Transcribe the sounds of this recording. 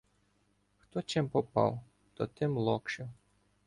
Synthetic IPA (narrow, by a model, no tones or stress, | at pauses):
xt̪ɔt͡ʃɪmpɔpɑ̰w | t̪ɔt̪ɪmlˠɔkʃɪw